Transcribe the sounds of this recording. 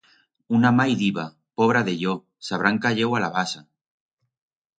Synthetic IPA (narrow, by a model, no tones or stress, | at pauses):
unamajðiβa | poβ̞ɾaðe̞ʎo | saβ̞ɾaŋkaʎewalaβasa